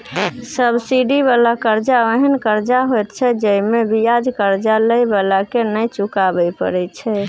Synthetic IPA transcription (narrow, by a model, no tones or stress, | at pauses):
səbsiɖibalakəɾd͡ʒaəɦənkəɾd͡ʒaɦojt̪t͡ʃʰɛd͡ʒəimebijad͡ʒkəɾd͡ʒaləjbalakenəjt͡ʃukabɛjpə̰ɾɛt͡ʃʰɛ